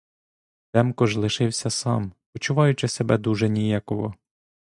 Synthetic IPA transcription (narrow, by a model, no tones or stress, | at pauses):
t̪ɛmkɔʒlˠɪʃɪwsʲɐsɑ̰mpɔt͡ʃʊʋɑjʊt͡ʃɪsebɛd̪uʒɛnʲijɑkɔɦɔ